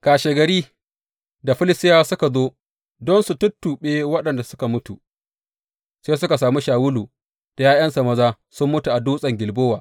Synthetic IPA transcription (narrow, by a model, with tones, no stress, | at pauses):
kaː˨ʃeː˨ɡɐ˨ɾiː˦ | da˨ɸɪ˦lɪ˦stɪ˦jaː˦sʊ˦ka˨zoː˦ | dɔ˦nsu˨tʊ˦tːuː˨ɓeː˦wɐ˦ɗɐ˨nda˨sʊ˦ka˨mʊ˦tu˨ | seː˦sʊ˦ka˨saː˨mi˦ʃaː˨wʊ˦luː˨ | d̥a˨jaː˦jɐ˦nsa˨mɐ˦zaː˦ | sʊ˦mːʊ˦tu˨ʔa˨duː˦sʼɐ˨ŋɡʲɪ˨lboː˦waː˨